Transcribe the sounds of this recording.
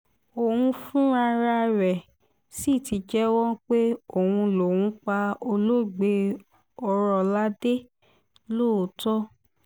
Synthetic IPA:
o˨wũ˧fũ˦a˧ɾa˧ɾɛ˨ | si˦˨ti˨˧d͡ʒɛ˦wɔ̃˦k͡pe˦o˨wũ˧lo˨wũ˨˦k͡pa˧o˧lo˦˨ɡ͡be˧ | ɔ˧ɾɔ˧la˦de˦ | lo˦˨tɔ˦

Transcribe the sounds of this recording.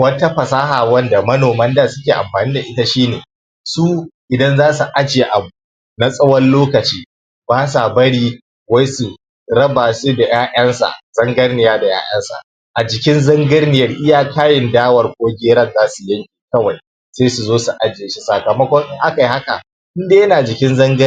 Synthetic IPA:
wɐ˦ta˦ɸɐ˨saː˦ɦaː˨wɐ˦nda˨mɐ˦noː˨mɐ˦ndaː˨sʊ˦kʲeː˨ʔa̰˨mɸaː˨niː˦da˨ʔɪ˦ta˦ʃiː˦neː˨ | suː˦ʔɪ˨dɐ˦nzaː˦su˨ʔa˦d͡ʒeː˨ʔa˨bu˨ | na˦sʼɐ˦wɐ˦nloː˦kɐ˨t͡ʃiː˦ | baː˦sa˨bɐ˦ɽiː˦ | wɐ˦jsu˨ | ɾɐ˦baː˨su˦da˨jaː˦ʔɐ˦nsa̰˨z̥ɐ˦ŋɡɐ˦rnɪ˨jaː˦da˨ja̰ː˦j̰ɐ˦nsa̰˨ | ʔa˨d͡ʒɪ˨kʲɪ˦nzɐ˦ŋɡɐ˦rnɪ˨jɐ˦rʔɪ˦jaː˦kaː˦jɪ˨ndaː˦wɐ˨rkʷʼoː˦ɡʲeː˦ɾɐ˦˨nzaː˦su˨jɐ˦ŋkʲʼi̥˨kɐ˦wa˨j | seː˦su˨zoː˦su˨ʔa˦d͡ʒeː˨ʃi˦saː˨kɐ˨mɐ˦kʷɔ˦ŋʔɪ˦ŋʔa˦ka˨i˦ha˦ka̰˨ | ʔɪ˦ndeː˦jɐ˦naː˨d͡ʒɪ˨kʲɪ˦nzɐ˦ŋɡɐ˦

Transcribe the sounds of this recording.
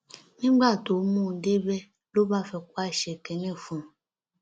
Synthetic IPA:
mĩ˦ɡ͡ba˦˨t̪o˨˦mũ˦˨ɖe˦bɛ˦ | lo˦ba˦˨fɛ˨kwa˦˨ʃɛ˨kɛ˨nɛ̃˦˨fũ˨

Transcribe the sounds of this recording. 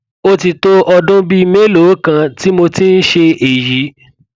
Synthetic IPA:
o˦ti˧to˦ʔɔ˧dũ˦bi˦˧me˦lo˨˦kã˧ti˦mo˧ti˦n̩˦ʃe˧ʔe˨ji˨˦

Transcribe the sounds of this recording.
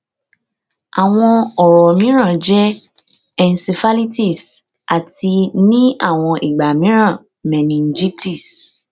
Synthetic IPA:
a˨w̃ɔ̃˧ɔ˨ɾɔ˨mĩ˦ɾ̃ã˦˨d͡ʒɛ˦ | ɛ˨n˨si˨fa˦li˦ti˦˨s | a˨ti˧nĩ˦a˦˨w̃ɔ̃˧ʔe˨ɡ͡ba˨mĩ˦ɾ̃ã˦˨ | mɛ̃˨nĩ˨n̩˦d͡ʒi˦ti˦˨s

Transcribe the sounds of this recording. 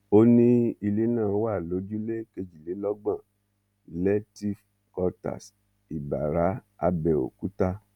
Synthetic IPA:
o˦nĩ˦i˧le˨˦nãː˦˨˦wa˦˨lo˨˦d͡ʒu˦le˦ke˧d͡ʒi˨le˨˦lɔ˦ɡ͡bã˦˨ | lɛ˦ti˦f | kɔ˧ta̰˨s | i˨ba̰˨ɾa˨˦a˧bɛ˨o̰˨ku˦ta˧

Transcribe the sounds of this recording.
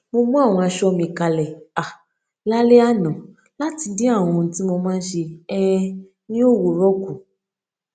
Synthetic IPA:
mo˧mũ˦a˦˨w̃ɔ̃˧a˧ʃɔ˧mĩ˨ka˧lɛ˨a˨ | la˦le˦a˦nɔ̃˨ | la˦ti˧di˦a˦˨w̃ɔ̃˧n̩˨ti˦mo˧mãː˦ʃe˧ɛ˦ | nĩ˦o˦˨wo˨ɾɔ˦ku˨

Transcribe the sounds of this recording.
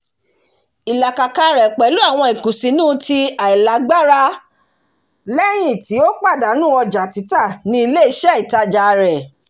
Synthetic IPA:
i˨la˨ka˨ka˧ɾɛ˨k͡pɛ˨˦lu˨˦a˦˨w̃ɔ̃˧i˨kũ˨sĩ˨˦nũː˦˧˦ti˧a˨i˨la˨˦ɡ͡ba˦ɾa˦ | lɛ˦j̃ĩ˦˨ti˨˦o˦k͡pa˦˨da˨˦nũ˦ɔ˧d͡ʒa˨ti˨˦ta˦˨nĩ˧i˧le˦i˦ʃɛ˦i˨ta˧d͡ʒa˨˧ɾɛ˨

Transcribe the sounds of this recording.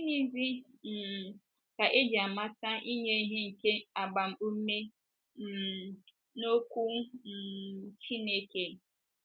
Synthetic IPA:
i˦ni˦zi˦m̩˨ | ka˨ʔe˦d͡ʒi˨a˨ma˦ta˦ʔi˦ɲe˦ɦe˦ŋ̩˨ke˦a˨ɡ͡ba˨m̩˨u˦me˦˨ | no˦kʷu˦˨ | t͡ʃi˦ne˦ke˨

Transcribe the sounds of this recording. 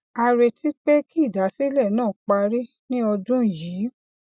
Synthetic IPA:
a˧ɾe˧ti˦k͡pe˦ki˦˨da˨˦si˦lɛ˦˨nãː˦˨k͡pa˧ɾi˦ | nĩ˦ɔ˧dũ˦˨ji˨˦

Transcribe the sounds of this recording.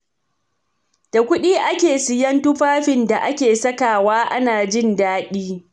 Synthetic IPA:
d̥a˨kʷʊ˦ɗiː˦ʔa˦kʲeː˨sɪ˨jɐ˦ntʊ˦ɸaː˦ɸɪ˨nda˨ʔa˦kʲeː˨sɐ˦kaː˨waː˦ʔa˦naː˨d͡ʒɪ˦˨ndaː˦ɗiː˦

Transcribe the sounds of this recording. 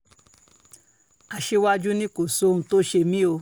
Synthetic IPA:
a˨ʃe˧wa˦d͡ʒu˦nĩ˦ko˨so˦n̩˧to˦ʃe˧mĩ˦o˧

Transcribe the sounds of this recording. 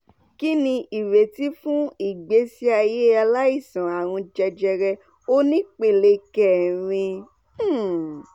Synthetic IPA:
ki˦nĩ˧ʔi˨ɾe˨ti˦fũ˦i˦˨ɡ͡be˨˦si˦a˧je˦a˧la˦i˦˨sã˨a˨ɾ̃ũ˧d͡ʒɛ˧d͡ʒɛ˧ɾɛ˧ | o˦nĩ˦k͡pe˨le˧kɛ˨ɾ̃ĩ˧˦

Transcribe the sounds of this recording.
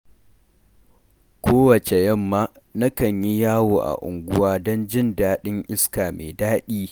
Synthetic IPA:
kʷʰoː˦wɐ˨t͡ʃe˨jɐ˦mːaː˦ | na˦kɐ˨ɲji˦jaː˦woː˨ʔa̰˨ʔʊ̰˨ŋɡʷʊ˦waː˦dɔ˦nd͡ʒɪ˦ndaː˦ɗɪ˦ŋʔɪ˦skaː˨mḛː˨daː˦ɗiː˦

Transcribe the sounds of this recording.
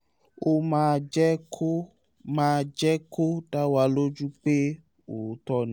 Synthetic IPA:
o˦mã˦d͡ʒɛ˦kʰo˦ | mãː˦d͡ʒɛ˦ko˦da˦wa˧lo˦d͡ʒu˦k͡pe˦ | o˨˦tɔ˧nĩ˨˦

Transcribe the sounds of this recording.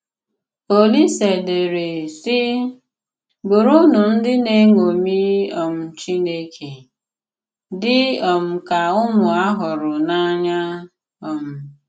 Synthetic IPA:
o˨li˦se˨de˨ɾe˨sɪ˦ | bʊ˨ɾʊ˦nʊ˨n̩˦dɪ˦ne˦ŋo˨mi˦ɔ˨m̩˨t͡ʃi˦ne˦kʰe˨ | dɪ˦ɔ˨m̩˨ka˨ʊ˦mʊ˨a˦ɦʊ˨ɾʊ˨na˦ɲa˦ | ɔ˨m̩˨

